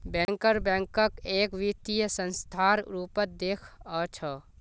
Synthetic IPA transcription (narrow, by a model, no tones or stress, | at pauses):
bɛ̃ŋkəɾbɛ̃ŋkəkeːkʋit̪ijəsə̃nst̪ʰaːɾɾuːpət̪̚d̪eːkʰət͡ʃʰə